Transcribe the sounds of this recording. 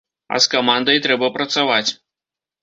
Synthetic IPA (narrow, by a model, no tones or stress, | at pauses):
ɐ̰skamand̪ɐjt̪ɾɛbɐpɾɐt̪savat͡sʲ